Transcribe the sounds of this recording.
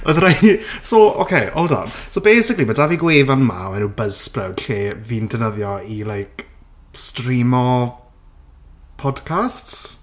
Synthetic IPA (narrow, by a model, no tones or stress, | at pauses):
əðɾajsoʔokʰeːʔɔlˠdɔ̰nsoːbeːsɪklimədaviɡweːvanma̰wɛnubəsprɛwdɬeːviːndənəðjɔilˠajk | strimɔ | pʰɔdkʰasts